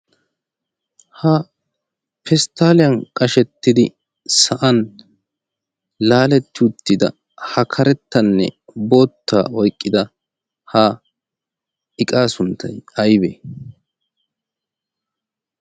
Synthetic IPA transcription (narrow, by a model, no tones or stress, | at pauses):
hɐ | pɛst̪aːlɪjɐnkʼɐʃɛt̪ːɪd̪ɪ | sɐʔɐn | laːlɛt̪ːɪʊt̪ːɪd̪ɐ̰ | hɐkʰɐɾɛt̪ːɐnːɛ̰bo̞ːt̪ʰːa̰ːɔjkʼːɪd̪ɐ | ha | ɪkʼaːsʊnt̪ːɐjɐjbeː